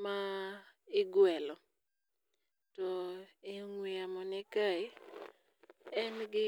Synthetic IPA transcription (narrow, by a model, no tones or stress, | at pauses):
maɪɡwɛlɔ | tɔɪŋwiamɔnɛkai | ɛnɡɪ